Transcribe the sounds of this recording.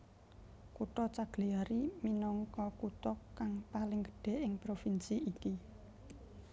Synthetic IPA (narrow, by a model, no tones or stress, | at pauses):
kut̪ɔt͡ʃaɡ̥liaɾiminɔŋkɔkut̪ɔkːaŋpalɪŋɡə̥ɖ̥e̤ɪŋpɾofinsiiki